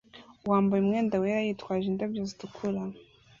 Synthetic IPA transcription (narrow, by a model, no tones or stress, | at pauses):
waːmbajumŋeːndaweɾajitwaːʒindabjozitukʰuɾa